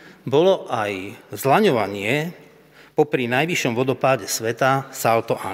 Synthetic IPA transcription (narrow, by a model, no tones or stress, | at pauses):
bɔlɔʔajzlaɲɔʋaɲɪɛ | pɔpɾinajʋiʃɔmʋɔd̪ɔpaːɟɛsʋɛt̪asalt̪ɔʔa̰